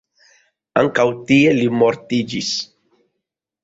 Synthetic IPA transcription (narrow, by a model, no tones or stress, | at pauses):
a̰ŋkawt̪ielimoɾt̪id͡ʒis